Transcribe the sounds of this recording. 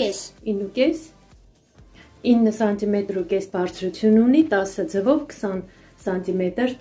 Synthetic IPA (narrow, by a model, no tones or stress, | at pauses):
ɛinːukɛs | inːəsɑnt̪imɛt̪ɾukɛsbɑrt͡sʰɾut͡sʰjununit̪ɑsəd͡zəvɔvkʰə̥sɑn | sɑnt̪imɛt̪əɾ